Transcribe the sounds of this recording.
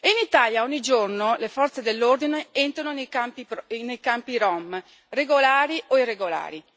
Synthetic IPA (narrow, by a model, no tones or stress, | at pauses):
einit̪aːljaɔɲːid͡ʒornolefɔrt̪sed̪elːord̪ineent̪ɾanonejkampinejkampiɾɔm | reɡolaːɾiʔoireɡola̰ːɾi